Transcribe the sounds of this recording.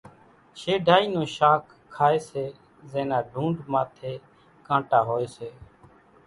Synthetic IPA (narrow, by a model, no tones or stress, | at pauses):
ʃeːɖʱaːiːnõːʃaːkʰːaːeːseː | zeːnaːɖʱũːɖmaːt̪ʰeː | kãːʈaːɦoːeːseː